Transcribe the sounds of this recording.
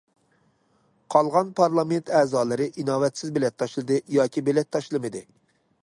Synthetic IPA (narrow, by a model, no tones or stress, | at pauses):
qʰɑlˠʁɑnpʰɑɾlˠɑment̪ʰɛːzɑːlˠɨɾɪʔinɑːvɛt̪sɪzbelɛt̪ʰːɑʃlˠɨd̪ɨjɑːkʲʰibɪlɛt̪ʰːɑʃlˠɨmɨd̪ɨ